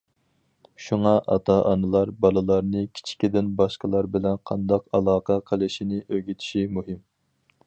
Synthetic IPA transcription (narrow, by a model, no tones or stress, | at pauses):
ʃuŋɑʔɑ̰t̪ʰɑʔɑnɨlˠɑɾbɑlˠɨlˠɑɾnɨkʲʰi̥t͡ʃʰi̥kʲid̪ɪnbɑʃqəlˠɑɾbɪlɛnqʰɑnd̪ɑqɑlˠɑːqʰɑqʰəlˠɨʃinɪʔøɡʲit̪ʰi̥ʃimuɦɪm